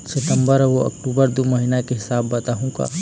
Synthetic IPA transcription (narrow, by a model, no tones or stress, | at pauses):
sɪt̪ə̃mbəɾʋoɐ̰kʈuːbəɾd̪omɐɦiːnakeɦɪsaːbːɐt̪aːɦũɡa̰ː